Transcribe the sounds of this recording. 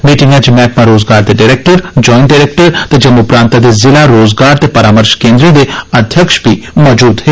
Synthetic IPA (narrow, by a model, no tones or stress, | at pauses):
miːʈɪ̃ŋɡãt͡ʃimɛːkʰmãɾoːzɡaːɾd̪eɖaɾeːk̚ʈəɾd͡ʒɔːɪnʈɖaɾeːk̚ʈəɾt̪ed͡ʒɐmʊpɾãːnt̪ad̪ezɪlaɾoːzɡaːɾt̪epɐɾaːməɾʃkẽːnd̪ɾid̪eɐd̪ʱjəkʃbʱi | mɔd͡ʒuːd̪ɦeː